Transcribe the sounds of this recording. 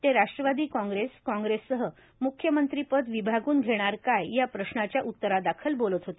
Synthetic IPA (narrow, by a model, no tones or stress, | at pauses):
t̪eɾaʂʈɾəʋad̪iːkɔ̃ŋɡɾeskɔ̃ŋɡɾesːəɦə | mukʰjəmənt̪ɾipəd̪ʋibʱaɡuːnɡʱeɽ̃aɾkajjapɾəɕnat͡ɕjaʔut̪ːəɾad̪akʰəlbolət̪ɦot̪e